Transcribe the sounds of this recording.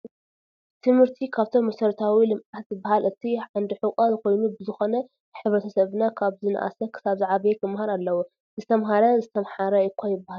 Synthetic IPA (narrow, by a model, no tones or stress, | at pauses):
t̪ʰɨmhɨɾt̪ʰikʰaβt̪ʰo̞mːɐsɐɾt̪ʰawilɨmat̪zɨbːahalʔɨt̪ʰiʕand̪ɨħɨkʼazɨkʰo̞jnubɨzɨxo̞nɐ | ħɨβɾɐt̪ʰɐsɐβnakʰaβzɨna̰ʔa̰sɐkʰɨ̥saβzaʕaβɐk̪ʰɨmːhaɾalːɐwu | zɨt̪ʰɐmɦaɾɐzɨt̪ʰɐmħaɾɐɨkʰʷːajɪbːaha